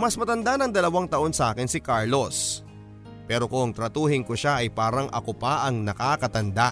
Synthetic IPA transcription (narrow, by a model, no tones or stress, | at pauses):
mɐsmɐt̪ɐnd̪anɐŋd̪ɐlɐwaŋt̪ɐʔo̞nsɐʔaːkɪnsɪkaɹlos | pɛːɾo̞kʊŋt̪ɾɐt̪uːhɪnkoʃaʔɐjpaːɾɐŋʔɐ̰kopaʔɐŋnɐkakɐt̪ɐnd̪a